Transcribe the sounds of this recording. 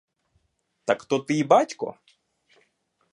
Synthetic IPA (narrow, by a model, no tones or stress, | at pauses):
t̪ɐkt̪ɔt̪ɨibatʲkɔ̰